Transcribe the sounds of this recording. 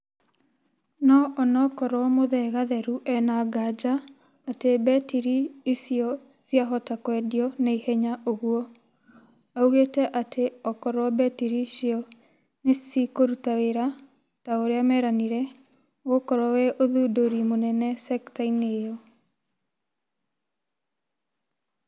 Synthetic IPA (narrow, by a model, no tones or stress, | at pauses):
nɔʔɔnɔkɔɾwɔmoðɛɣaðɛɾuʔɛnaɡad͡ʒaː | tebɛtiɾiːsiɔ | sijaɦɔtakwɛdiɔneihɛɲaʔoɣuɔ | auɣetɛʔateɔkɔɾwɔbɛtiɾiʃiɔ | nesikoɾutaweɾa | taoɾeamɛɾaniɾɛ | ɣokɔɾɔwɛʔoðudoɾimonɛnɛsɛktainejɔ